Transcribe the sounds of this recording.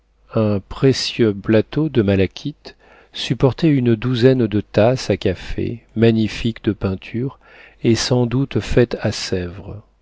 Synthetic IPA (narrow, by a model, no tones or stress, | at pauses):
ɛ̃pχesjøplat̪od̪əmalakʲʰit̪ | sypɔʁt̪ɛynd̪uzɛnd̪ət̪asakʲafḛmaɲifikd̪əpɛ̃t̪ʰyʁ | esɑ̃d̪ut̪fɛt̪asɛvʁ